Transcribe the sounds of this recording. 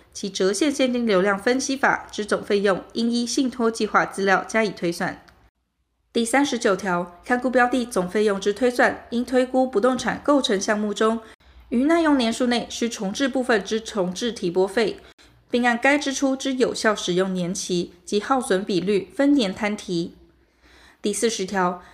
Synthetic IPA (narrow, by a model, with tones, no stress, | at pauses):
t͡ɕʰi˧˥ʈ͡ʂɤ˧˥ɕjɛ˥˧nɕjɛ˥˧nt̪i˥˩ŋljo˧˥ʊljɑ˥˩ŋfə˥nɕi˥fa̰˨˩ʈ͡ʂɻ̩˧˥t͡sʊ˨˩ŋfe˥˧ɪjʊ˥˩ŋi˥ŋi˥ɕi˥˩ŋt̪ʰwɔ˥t͡ɕi˥˧xwa˥˩t͡sɹ̩˥ljɑ˥˩ʊt͡ɕja˥i˨˩t̪ʰwe˥ɪswa̰˥˩n | t̪i˥˩sa˥nʂɻ̩˧˥t͡ɕjo˨˩ʊt̪ʰjɑ˧˥ʊkʰa˥˧nku˥˧pjɑ˥ʊt̪i˥˩t͡sʊ˨˩ŋfe˥˧ɪjʊ˥˩ŋʈ͡ʂɻ̩˥t̪ʰwe˥swa˥˩ni˥ŋt̪ʰwe˥ɪku˥pu˧˥t̪ʊ˥˩ŋʈ͡ʂʰa̰˨˩nko˥˩ʊʈ͡ʂʰɤ˧˥ŋɕjɑ˥˧ŋmu˥˩ʈ͡ʂʊ˥ŋ | y˧˥na˥˧jʊ˥˩ŋnjɛ˧˥nʂu˥˧ne˥˩ɪɕy˥ʈ͡ʂʰʊ˧˥ŋʈ͡ʂɻ̩˥˧pu˥˧fə˥˨˩nʈ͡ʂɻ̩˥ʈ͡ʂʰʊ˧˥ŋʈ͡ʂɻ̩˥˩t̪ʰi˧˥pwɔ˥fe˥˩ɪ | pi˥˧ŋa˥˩nka˥ɪʈ͡ʂɻ̩˥ʈ͡ʂʰu˥ʈ͡ʂɻ̩˥jo˨˩ʊɕjɑ˥˩ʊʂɻ̩˨˩jʊ˥˩ŋnjɛ˧˥nt͡ɕʰi˧˥t͡ɕi˧˥xɑ˥˩ʊswə˧˥npi˨˩ly˥˩fə˥nnjɛ˧˥nt̪ʰa˥nt̪ʰi˧˥˦ | t̪i˥˧sɹ̩˥˩ʂɻ̩˧˥t̪ʰjɑ˧˥ʊ